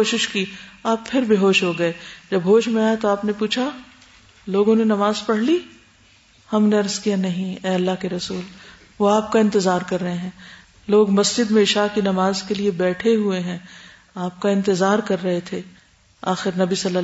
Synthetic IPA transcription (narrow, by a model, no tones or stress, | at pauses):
oːʃɪʃkiːaːpfʰɪɾbʱiɦoːʃɦoɡɐeːd͡ʒɐbɦoːʃmẽaːet̪oaːpnepuːt͡ʃʰa | loːɡõnenɐmaːzpɐɽ̤liː | hɐmneɐɾzkijanɐɦĩɛːɐlːaɦkeɾɐsuːl | ʋoaːp̚kaɪ̃nt̪ɪzaːɾkɐɾːɐɦẽɦɛ̃ː | loːɡmɐsd͡ʒɪd̪mẽɪʃaːkinɐmaːzkeliebɛːʈʰeɦueɦɛ̃ː | aːp̚kaɪ̃nt̪ɪzaːɾkɐɾːɐɦet̪ʰe | aːxɪɾnɐbisɐlːə